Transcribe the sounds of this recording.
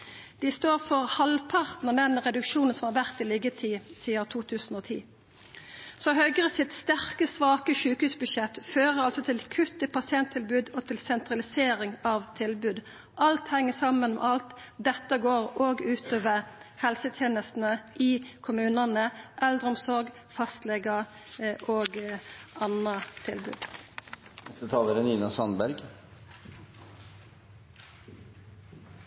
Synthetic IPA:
d̪ɪst̪oːʁfɔʁhɑlpʰɑʁt̪n̩ɑd̪ɛnʁɛd̪ʉkʃuːnən̩sɔmhɑʁʋæʁt̪ɪliɡət̪ʰiːsiːəʁt̪ʰuːt̪ʰʉːsn̩ɔːt̪ʰḭː | sɔhœʏɡʁəsɪt̪st̪æʁkəsʋɑːkəʃʉːkhʉːsbʉʃɛt̪ːføːʁəʁɑlsɔt̪ʰɪlkʰʉt̪ːəpɑsɪɛnt̪ʰɪlbʉːd̪ɔt̪ʰɪlsɛnt̪ʁɑlɪseːɾɪŋɑʋt̪ʰɪlbʉːd̪ | ʔɑlt̪hɛŋːəsɑmːənmɛ̰ʔɑlt̪d̪ɛt̪ːəɡoːɾoːɡʉːt̪oːʋəhɛlsət̪ʰjeːnəst̪n̩əʔɪkʰʊmʉːnənəʔɛld̪ʁəɔmsɔʁɡ | fɑst̪lɛɡə | ʔoːɡɑnət̪ʰɪ̰lbʉ̰ːd̪ | nɛst̪ət̪ʰɑːləɾəniːnɑsɑnbæɾɡ

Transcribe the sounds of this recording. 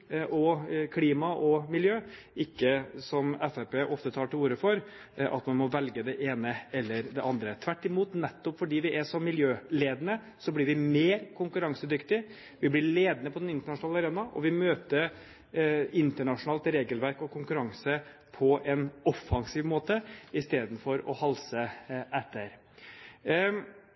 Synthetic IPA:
ʔɔkʰliːmɑʔɔmɪljøː | ʔɪkːəsɔmɛfepeʔɔft̪ət̪ʰɑːʈɪluːɾəfɔɾ | ʔɑ̰t̪mɑnmɔʋɛlɡəd̪ɛʔeːnəɛlːəɾd̪ɛʔɑnd̪ɾət̪ʰʋæʈːɪmuːt̪nɛt̪ːɔpfɔɖiːʋɪʔæʂɔmːɪljøːleːd̪nə | sɔblɪɾʋɪmeːɾkʰʊŋkʉɾɑŋsəd̪ʏkt̪ɪ | ʋɪblɪɭeːd̪nəpʰɔd̪ɛnɪnt̪əɳɑʂʊnɑːlɑɾeːnɑʔɔ̰ʋɪmøːt̪əɾ | ɪnt̪əɳɑʂʊnɑːlt̪ɾeːɡəlʋæɾkɔkʰʊŋkʉɾɑŋsə | pʰɔʔɛnɔfːɑŋsiːʋmoːt̪əɪst̪eːd̪n̩fɔɾɔ̰hɑlsəʔɛt̪ʰːəɾ

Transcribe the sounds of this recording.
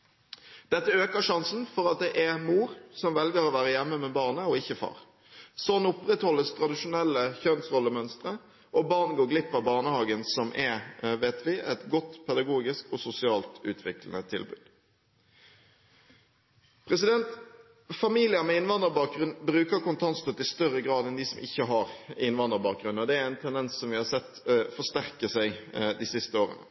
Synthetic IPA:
d̪̥ɛt̪ːəøːkəʂɑnsn̩fɔɾɑt̪̚d̪ɛʔɛmuːɾsɔmʋɛlɡəʁoːʋæːʁəjɛmːəmɛbɑːʁnəɔɪçːəfɑ̰ːʁ | sɔnʊpʁɛt̪hɔlːəst̪ʰɾɑd̪ɪʂʊnɛlːəçœnsʁɔlːəmœnst̪ʁə | ʔɔbɑːʁnɡoːɡlɪpːəbɑːʁnəhɑːɡənsɔmʔɛʋeːt̪ʰʋɪʔɛt̪ɡɔt̪ːpʰɛd̪ɑɡuːɡɪskɔsʊsɪɑːlt̪ʉ̰ːt̪ʰʋɪklən̩ət̪ʰɪ̰lbʉ̰ːd̪ | pʰɾɛsɪd̪ɛnt̪ | fɑmiːlɪəmɛɪnʋɑnd̪əɾbɑːk̚ɡʁʉnbɾʉːkəɾkʊnt̪ʰɑnst̪œt̪ɪst̪œɾəɡɾɑːd̪ɛnd̪ɪsɔmɪçːəɦɑɾɪnʋɑnd̪əʁbɑːk̚ɡɾʉnːɔd̪ɛæɾæɪnt̪ʰɛnd̪ɛnssɔmʋɪhɑsɛt̪ːfɔʂt̪æʁkəsæɪd̪ɪsɪst̪əoːʁə̰nə̰

